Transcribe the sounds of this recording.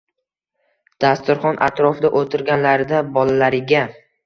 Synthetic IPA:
d̪̥ast̪ʊɾχɒnʔa̰t̪ʰɾɒfɪd̪aʔot̪ʰɪɾɡʲanlaɾd̪abɒlalaɾɪɡʲa

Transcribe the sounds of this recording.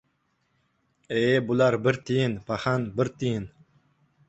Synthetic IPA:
ebulaɾbɪɾt̪ʰijinpʰaχanbɪɾt̪ʰijin

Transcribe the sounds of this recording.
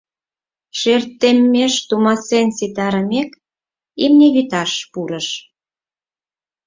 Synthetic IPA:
ʃert̪ːemːeʃt̪umɑsensit̪ɑɾəmek | imnʲeβit̪ɑʃpuɾəʃ

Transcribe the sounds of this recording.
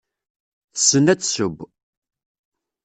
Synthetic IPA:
θəsːənæt͡sːsʊb

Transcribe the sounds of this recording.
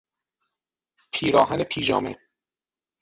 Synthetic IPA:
pʰiːɾɒːɦænepʰiːd͡ʒɒ̰ːmḛ

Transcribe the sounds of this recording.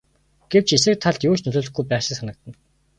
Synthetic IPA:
ɡ̥ew̥t͡ɕes̬ɘ̆k̚t̪ʰːaɮt̪jʊːt͡ɕnɵɮɵːɮɵ̆xɡujpæːχʃɪ̆sanə̆k̚t̪ə̆n

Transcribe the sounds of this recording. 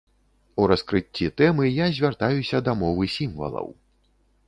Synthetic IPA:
uɾɐskɾɨt͡sʲːit̪ɛmɨjazʲvʲart̪ajusʲɐd̪ɐmɔvɨsʲimvɐ̰lˠɐ̰w

